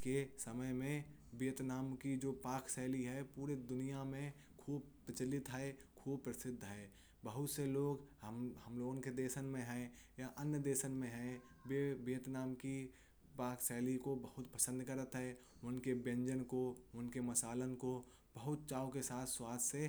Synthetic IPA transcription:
kesəməjmẽ | bijət̪naːmkid͡ʒoːpaːksɛːliɦɛpuːɾed̪ʊnijamẽ | kʰuːbpət͡ʃəlɪt̪ɦɛekʰuːb̚pːɾəsɪd̪ʱːɦɛː | bəɦʊt̪seloːɡɦɐmloːɡõnked̪eːsənmẽɦɛ̃jaʔɐnjəd̪eːsənmẽɦɛ̃ | bebijət̪naːmki | paːksɛːlikobəɦʊt̪pəsə̃nd̪kəɾət̪ɦɛː | ʊnkebjə̃ɲd͡ʒənkoʊnkemɐsaːlənko | b̥əɦʊt̪̚t͡ʃaːokesaːt̪ʰswaːt̪ʰse

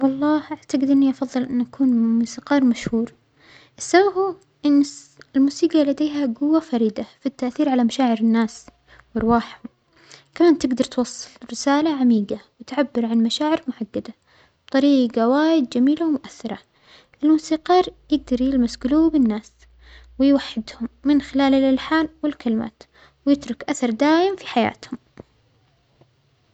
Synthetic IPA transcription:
wɑlˤːɑːhʔaʕt̪aɡɪd̪ʔɪnːiʔɑfɑðˤːɨlʔɪnːʔakuːnmuːsiːqɑːɾˤmaʃhuːɾ | ʔɪsːababu | ʔɪnː | ɪlmuːsiːɡɑlad̪eːɦaɡʊwːafaɾiːd̪afit̪ːaʔθiːɾʕalamaʃaːʕɪɾɪnːaːs | wɪɾˤwaːħhʊm | kamaːnt̪ɪɡd̪ɑɾˤt̪wɑsˤːɨ̥lɾɪsaːlaʕamiːɡawɪt̪ʕabːɪɾˤʕanmaʃaːʕɪɾmʊʕaɡːad̪a | b̥t̪ˤɑɾiːɡɑwaːjɪd̪̚d͡ʒamiːlawmʊʔaθːɑɾˤɑ | ʔɪlmuːsiːqɑːɾˤjɪɡ̚d̪ɑɾˤjɪlmasɡɪluːbɪnːaːs | wɪjwaħːɪd̪hʊmːɪnxɪlaːlɪlʔɪlħaːnwɪlkɪlma̰ːt̪ | wjɪt̪ɾʊkʔaθɑɾˤd̪aːjɪmfiħaja̰ːt̪hʊm

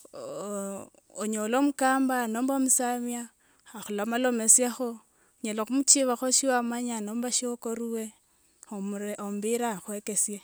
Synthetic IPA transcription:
oɲolomukaːmbanoːmbomusamjaː | xulamalo̞mesjaxo | ɲelaxumut͡ʃiβaxoʃiwamaɲanombaʃiokoɾuwe | omɾeombiɾaxwekesje

